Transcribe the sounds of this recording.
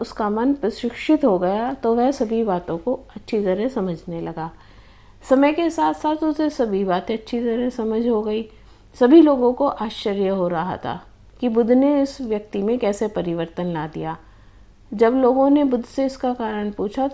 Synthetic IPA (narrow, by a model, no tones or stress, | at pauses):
ʊskamɐnpɾɐsɪkʃɪt̪ɦoɡɐjat̪oʋɛɦsɐbʱibaːt̪õkoɐtːʃʰit̪ɐɾɛsɐməd͡ʒʱnelɐɡaː | sɐməjkesaːt̪ʰsaːt̪ʊsesɐbʱibaːt̪ẽɐtːʃʰit̪ɐɾɛsɐməd͡ʒʱɦoɡɐiː | sɐbʱiloːɡõkoʔaːʃəɾjəɦoɾɐɦa̰t̪ʰa̰ː | kibʊd̪ʱneɪsʋjɐk̚t̪imẽkɛːsepɐɾɪʋəɾt̪ənlaːd̪ḭjaː | d͡ʒɐbloːɡõnebʊd̪ʱseʊskakaːɾəɽ̃puːt͡ʃʰa